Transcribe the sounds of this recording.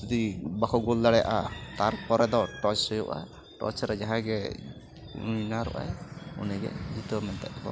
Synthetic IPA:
d͡ʒud̪ibakɔɡulːaɽɛja̰ʔat̪aɾpɔɾɛd̪ɔʈɔt͡ʃsɔjɔʔa̰ | ʈɔ̰t͡ʃɾɛd͡ʒaɦãɡɛ | ṵnaɾɔ̰ʔa̰jṵnɛɡɛ̰d͡ʒit̪ɔmɛnt̪aʔbɔ̰

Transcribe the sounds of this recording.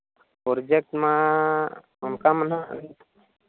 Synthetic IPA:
poɾd͡ʒek̚ʈmã | ʊnkaməna

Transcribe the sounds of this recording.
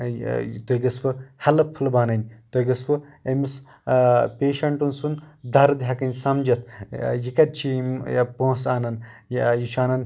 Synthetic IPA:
t̪oiɡɐspɨhɐlɐpʰːɨlbaːnɐnʲt̪oiɡɐspɨemis | pʲeːʃɐɳʈunsund̪ɐɾd̪iɦɐkɐnʲsɐmd͡ʒɐt̪ʰjikɐd̪̚ʲt͡ʃʰimpõsaːnɐn | jit͡ʃʰaːnɐn

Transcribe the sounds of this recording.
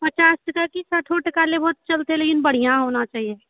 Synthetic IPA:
pɐt͡ʃaːsʈəkakisaːʈʰoʈəkaːlebɔːʊt̪̚t͡ʃɐlt̪eɦɛ̃leːkɪnbɐɽ̤ijãɦoːnat͡ʃaːɦieː

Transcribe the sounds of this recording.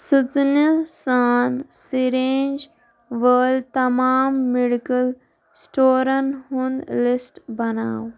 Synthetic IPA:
sɨt͡snəsaːnsiɾeːnd͡ʒ | ʋəːlt̪ɐmaːmːiɽikəl | sʈoːɾɐnhund̪lisʈbɐna̰ːw

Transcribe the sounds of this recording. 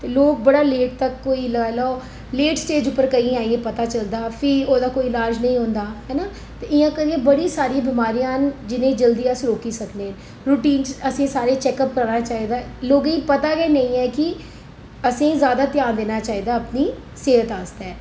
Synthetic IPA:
t̪eːloːk̚bəɽaːleːʈ̚t̪əkːoːiːləɡaːlɔː | leːʈsʈeːd͡ʒʊpːəɾkəĩːaːiepət̪aːt͡ʃəld̪aːpʰɪoːd̪aːkoːiɪlaːɾd͡ʒnəĩːɦõːnd̪aːɦɛːnaː | t̪eːɪjãːkəɾiːẽːbəɽiːsaːɾijãːbɪmaːɾijãːnd͡ʒɪnẽːd͡ʒəld̪iːãːsɾoːkiːsəkneː | ɾuːʈiːnzəsĩːsaːɾeːt͡ʃɛːkəpkəɾnaːt͡ʃaːiːd̪aːloːɡĩːpət̪aːɡɛːnəĩːɛːkɪ | əsĩːzjaːd̪aːt̪ɪjaːnd̪eːnaːt͡ʃaːiːd̪aːəpniː | seːɦət̪aːst̪ɛː

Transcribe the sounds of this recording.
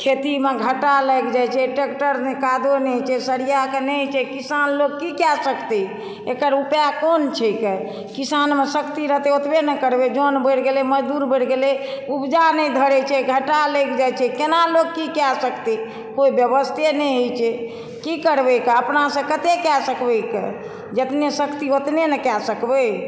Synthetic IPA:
kʰet̪imeɡʱəʈaləjkd͡ʒajt͡ʃʰɛʈekʈəɾnɛkad̪onɛt͡ʃʰɛsəɾijakenət͡ʃʰɛkisanloɡ̚kikasəkt̪i | ekəɾupjakont͡ʃʰɛke | kisanmesəkt̪iɾəɦt̪eot̪benɛkəɾbed͡ʒonbəɽɡeleməd͡ʒd̪uɾbəɽɡeleubd͡ʒanɛjd̪ʱəɾɛt͡ʃʰɛɡʱəʈalekʰd͡ʒajt͡ʃʰɛkenaloɡkikasəkt̪i | koibjəbəst̪ʰenɛɦojt͡ʃʰɛ | kikəɾbɛkeəpnasə̃kət̪ekɛsəkbəkḛ | d͡ʒət̪nesəkt̪iot̪nenəkasəkbe

